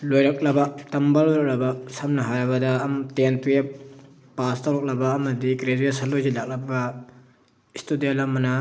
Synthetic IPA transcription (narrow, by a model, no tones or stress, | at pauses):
lojɾɐk̚lɐbɐtɐmbɐlojɾɐk̚lɐbɐsɐmnɐɦaɾɐβɐdɐːmtentuje | pastaɾɔk̚lɐbɐːmɐdikɾed͡ʒuesɐlojzilak̚lɐbɐ | istudijalamɐnɐ